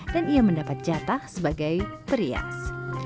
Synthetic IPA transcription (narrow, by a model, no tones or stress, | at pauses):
danijaməndapat̪̚d͡ʒat̪ahsəbaɡajpəɾia̰s